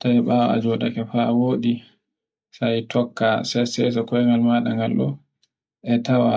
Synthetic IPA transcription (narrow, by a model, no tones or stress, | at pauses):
tajɓawaa̰d͡ʒɔɗakɛfawoːɗi | sajtʰɔkːasɛsɛs̬ɔkɔɛŋɡalmaːɗaŋɡalɗɔ̰ | ʔɛtawa